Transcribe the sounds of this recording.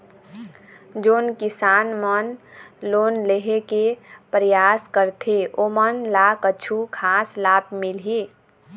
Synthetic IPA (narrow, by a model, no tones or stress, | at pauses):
d͡ʒoːnkisanmənloːnleɦekepɾəjaskəɾt̪ʰeʔomənlakəːt͡ʃʰukʰaslab̚milɦi